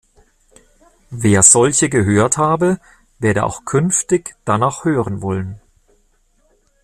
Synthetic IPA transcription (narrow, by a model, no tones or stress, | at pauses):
veːɐz̥ɔlçəɡəɦøːɐthaːbə | veːɐdə̰ʔa̰ʊxkʰʏnftɪçd̥anaːχhøːʁənvɔlən